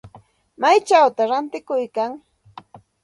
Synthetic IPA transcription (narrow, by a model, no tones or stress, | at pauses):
majt͡ʃawt̪aɾant̪ɪkʊjkaŋ